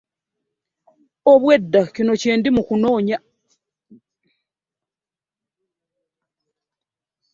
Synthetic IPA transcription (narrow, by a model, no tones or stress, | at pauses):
oβwedːacino̞ceːndimukuno̞ːɲa